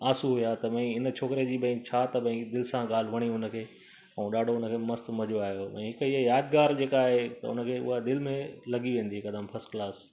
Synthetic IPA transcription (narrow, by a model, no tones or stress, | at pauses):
aːsuɦujat̪ɐʋɐ̃ĩɪnət͡ɕʰoːkɪɾed͡ʑiːbɐ̃ĩt͡ɕʰat̪ɐbɐ̃ĩd̪ɪlɪsãɠaːl̤ɪʋɐɽ̃iʊnə̆kʰeː | ɐũɗaːɖʱoʊnəkʰeːmɐst̪mɐd͡ʑoaːɦjoɛ̃ɦɪkiɦjaːd̪ɡaːɾd͡ʑeːkaːɦet̪ɐ̰ʊ̰nə̆kʰeːʊ̰ɦad̪ɪlɪmẽlɐɡiʋẽːn̆d̪iɦekɐd̪aːmpʰɐsklaːs